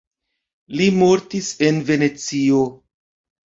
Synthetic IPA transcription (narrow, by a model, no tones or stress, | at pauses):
limo̞ɾtise̞nve̞ne̞t͡sio̞